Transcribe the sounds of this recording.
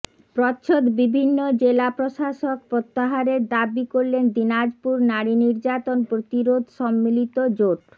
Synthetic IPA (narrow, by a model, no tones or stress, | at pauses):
pɾɔtːɕʰod̪bibʱinːod͡ʑelapɾoʃaʃok̚pɾot̪ːaɦaɾeɾd̪abikoɾlend̪inad͡ʑpuɾnaɾiniɾd͡ʑat̪onpɾot̪iɾod̪ʱʃɔmːilit̪od͡ʑoʈ